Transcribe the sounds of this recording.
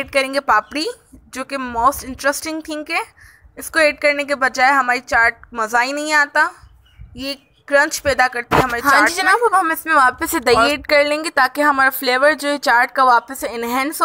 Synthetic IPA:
eːʈ̚kɐɾẽːŋɡepaːpɽi | d͡ʒoːkemoːsʈɪ̃ɳʈɾəsʈɪ̃ŋɡ̚t̪ʰɪ̃ŋkɛː | ɪskoeːʈ̚kɐɾnek̬ebɐd͡ʒaːeɦɐmaːɾit͡ʃaːɾʈ̚mɐzaːinɐɦĩaːt̪a | je | kɾɐ̃ɲt͡ʃpɛːd̪akɐɾt̪iɛɦɐmaːɾiɦãaːd͡ʒɾid͡ʒɐnaːbɐbɦɐmɪsmẽʋaːpəsed̪ɐjeːʈ̚kɐɾlẽːŋɡet̪aːkeɦɐmaːɾafleːʋəɾd͡ʒoːɦɛt͡ʃaːɾʈkaʋaːpəseɪnɦɛ̃ːns

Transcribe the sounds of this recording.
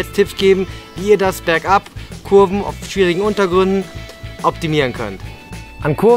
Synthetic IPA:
ɛt͡stʰɪpsɡ̥eːbm̩viːɐdasb̥ɛɐkʔapkʰʊɐvm̩a̰ʊfʃv̥iːʁɪɡŋ̩ʔʊntɐɡʁʏndn̩ʔɔp̚timiːʁənkʰœ̰nt | ʔankʰʊ

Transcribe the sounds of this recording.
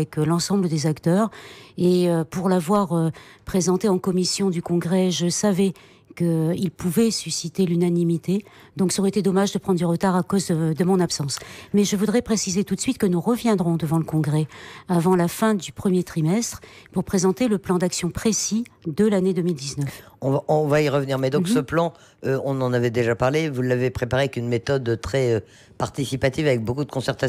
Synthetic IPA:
ɛklɑ̃sɑ̃bləd̪ezakt̪œːʁeøpuʁlavwaʁøpχezɑ̃t̪eɑ̃kɔmisjɔ̃d̪ykɔ̃ɡʁɛʒəsavɛ | kəilpʰuvɛsysit̪elynanimit̪e | d̪ɔ̃ksɔʁɛt̪ed̪ɔmaʒd̪əpχɑ̃d̪ʁd̪yʁət̪aʁakozəd̪əmɔ̃napsɑ̃smɛʒəvud̪ʁɛpχesizet̪ut̪sɥit̪kənuʁəvjɛ̃d̪ʁɔ̃d̪əvɑ̃ləkɔ̃ɡʁɛavɑ̃lafɛ̃d̪ypχəmjet̪χimɛst̪χpuʁpχezɑ̃t̪eləplɑ̃d̪aksjɔ̃pχesid̪əlaned̪əmild̪iznəf | ɔ̃vaʔɔ̃vaiʁəvniʁmɛd̪ɔ̃ksəplɑ̃ | øɔ̃nɑ̃navɛd̪eʒapaʁlevulːavepχepaʁeɛkynmet̪ɔd̪t̪χɛø | paʁt̪isipat̪ivavɛk̚bokud̪əkɔ̃sɛʁt̪a

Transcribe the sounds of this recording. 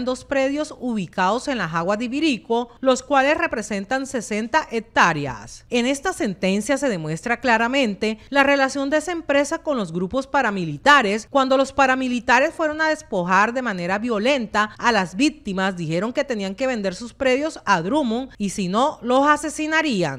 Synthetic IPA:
nd̪o̞spɾe̞ðjo̞suβikaðo̞se̞nlasaɣwazðeβiɾiko̞lo̞skwale̞sre̞pɾe̞se̞nt̪anse̞se̞nt̪aʔek̚t̪aɾja̰se̞ne̞st̪ase̞nt̪e̞nsjase̞ðe̞mwe̞st̪ɾaklaɾamẽ̞nt̪e̞lare̞lasjo̞nd̪eesaempɾe̞sako̞nlo̞zɣɾupo̞spaɾamilit̪aɾe̞skwand̪o̞lo̞spaɾamilit̪aɾe̞sfwe̞ɾo̞naðe̞spo̞xaɾðe̞mãne̞ɾaβjo̞lẽ̞nt̪aːlazbik̚t̪imasd̪ixe̞ɾo̞ŋke̞t̪e̞niaŋke̞βe̞nd̪e̞ɾsuspɾe̞ðjo̞saðɾumoŋisino̞lo̞sase̞sinaɾiaŋ

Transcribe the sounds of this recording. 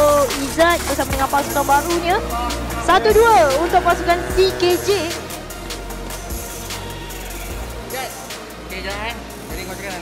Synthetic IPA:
izat̪̚kusapədəŋãnpasukanbaɾuɲãsat̪uduaunt̪ʊk̚pasukant̪iked͡ʒe

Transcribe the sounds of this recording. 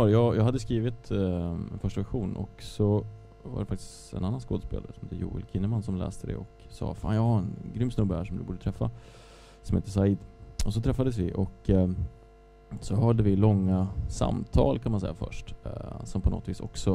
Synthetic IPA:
ɑɾjɑjʔɑɡhad̪ːəskɾiːvɪt̪ɛnfœʂʈavæɧuːnʔɔ̰ksɔ | va̰ɖɛfakt̪ɪ̥s | ɛ̰nanːanskoːd̪əspḛːlaɾəsɔmhḛːt̪əjṵːɪ̰lkʰɪnːəmansɔmlɛ̰ːst̪əd̪ɛ̰ɔk | sɑ̰ːfa̰ːnjɑːɡhaɾɛnɡɾʏmːsnɵbːəhæʂɔmd̪ɵbuːɖət̪ʰɾɛfːa | sɔmhḛːt̪əs̬aɪd̪ɔs̬ɔt̪ʰɾɛfːad̪əs̬vɪʔɔk | sɔɦœːɖəvɪlɔŋːasa̰mt̪ʰɑ̰ːlkʰanmansɛjːafœ̰ʂʈsɔmpʰɔnɔ̰t̪viːsɔ̰ksɔ

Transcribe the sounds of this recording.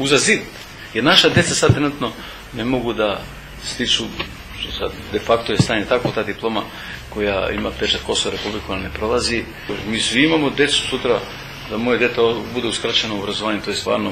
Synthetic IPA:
uzazit̪ | jeɾnaʃad̪jet̪sasad̪t̪ɾnut̪no | nemoɡud̪a | st̪it͡ʃu | ʃt̪osa̰d̪d̪ɛfakt̪ojest̪aɲet̪akot̪aːd̪iplˠoma | koja̰imat̪ɛt͡ʃat̪̚kosoaɾepublikakojanepɾolˠazi | miːsʋiimamod̪et̪su̥sut̪ɾa | d̪amojad̪et̪ɛbud̪ɛuskɾat͡ʃɛnoobɾazoaːɲet̪ojest̪va̰ɾno

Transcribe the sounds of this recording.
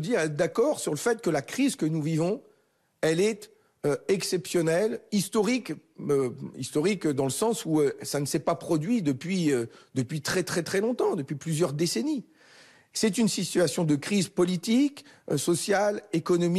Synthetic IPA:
d̪iʁɛd̪akɔʁsyʁləfɛt̪kəlakχizkənuvivɔ̃ | ɛlɛt̪ | øɛksɛpsjɔnɛlist̪ɔʁikøḭst̪ɔʁikd̪ɑ̃ləsɑ̃suøsanəsɛpapχɔd̪ɥid̪əpɥiød̪əpɥit̪χɛt̪χɛt̪χɛlɔ̃t̪ɑ̃d̪əpɥiplyzjœʁd̪eseni | sɛt̪̬ynsit̪ɥasjɔ̃d̪əkχizpɔlit̪ik | sɔsjalekɔnɔm

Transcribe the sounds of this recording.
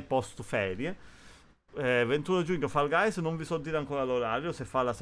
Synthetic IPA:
pɔst̪ufɛːɾje | vent̪und͡ʒuɲːofalɡajsnoɱvisɔd̪ːiːɾaŋkoːɾaloɾaːɾjosefːalːas

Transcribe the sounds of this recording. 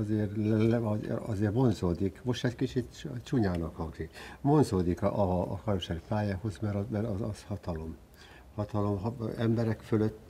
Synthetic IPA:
ɒzeːrlɛlɒzɒ̰zeːrvo̞nzoːd̪ikmoʃɛt̪kit͡ʃit̪t͡ʃuɲaːnɒkhɒŋzikvo̞nzoːd̪ikʔɒːkɒrmʃaɾipaːjaːho̞zmɛɾɒmɛɾɒɒshɒt̪ɒlo̞m | hɒt̪ɒlo̞mɦɛmbɛɾɛkføløt̪ː

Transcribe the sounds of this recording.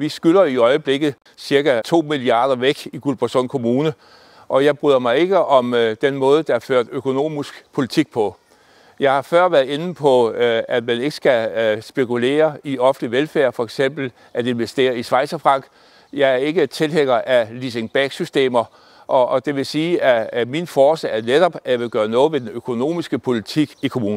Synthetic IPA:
ʋisɡ̥ylɐiɒ̽ɪəb̥le̝ɡ̥ð̩ˠ | siɐɡ̥æt͡sʰo̝̰ːmiliɑ̈ːdˠɐʋeɡ̥iɡ̥ulb̥ɑsɔnkʰo̝muːnə | ʔɒ̽jɑ̈ɪb̥ʁyðˠɐmɑ̈ɪe̝ɡ̥əʔɒ̽md̥enmɔ̽ːð̞̩ˠd̥ɑɐføɐ̰d̥økʰo̝no̝̰ːmisɡ̥pʰo̝lit͡sʰiɡ̥̚pʰɒ̽ | jɑ̈ɪhɑ̈fɶɐ̰ʋæɐð̩ˠe̝nn̩pʰɒ̽æd̥mæne̝ɡ̥ə̥sɡ̥æsb̥e̝kule̝̰ːɐiɒ̽fn̩liʋelfæɐfɒ̽eɡ̥sem̰b̥l̩ | ʔæd̥e̝nʋesd̥e̝̰ːɐisʋɑ̈ɪsɐfʁɑ̈ŋ̰ɡ̥ | jɑ̈ɪæɐe̝ɡ̥ət͡sʰe̝lɦeŋɐʔælis̬e̝ŋb̥æɡ̥sysd̥e̝̰ːmɐ | ʔɒʔːd̥e̝ʋe̝siːæminfɒːsɛæɐned̥ɒ̽b̥æjɑ̈ʋe̝ɡ̥ɶːɐnɔ̽ːð̩ˠʋe̝d̥enøkʰo̝no̝̰ːmisɡ̥əpʰo̝lit͡sʰiɡ̥ikʰo̝muːn̩

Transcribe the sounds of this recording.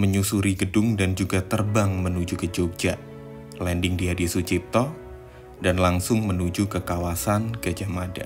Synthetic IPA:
məɲusuɾiɡədʊŋdand͡ʒuɡat̪ərbaŋmənud͡ʒukəd͡ʒoɡ̚d͡ʒaʔ | lɛndɪŋdiadisut͡ʃip̚t̪ɔ | danlaŋsʊŋmənud͡ʒukəkawasankəd͡ʒamada̰

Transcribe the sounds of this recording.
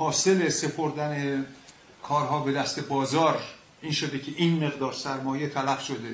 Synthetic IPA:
hɒːse̞lese̞pʰoɾd̪æne | kʰɒːɾɦɒːbe̞d̪æst̪ebɒːzɒːɾ | ʔiːnʃod̪ecʰeʔiːnme̞ɣd̪ɒːɾsæɾmɒːje̞t̪ʰælæfʃod̪e

